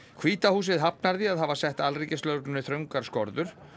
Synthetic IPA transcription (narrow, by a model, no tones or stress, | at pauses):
kʰviːt̪ahuːsɪðɦapnaɾðiaðɦavasɛht̪alriːcɪst̪lœwknnːɪθɾœŋkaɾ̥skɔɾðʏɾ̥